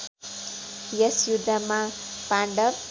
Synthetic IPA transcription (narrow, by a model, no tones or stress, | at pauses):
jʌsjud̪ʱːamapaɳɖʌp̚